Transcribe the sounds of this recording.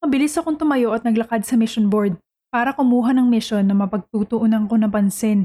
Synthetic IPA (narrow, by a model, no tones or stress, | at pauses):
mɐbɪlɪsɐkoŋt̪ʊmɐjo̞ʔɐt̪̚nɐɡlɐkad̪̚sɐmɪʃonboɹd̪̚ | paːɾɐkʊmuːɦɐnɐŋmɪʃo̞nːɐmɐpɐɡ̚t̪uːt̪ʊʔonɐŋko̞nɐpɐnsɪn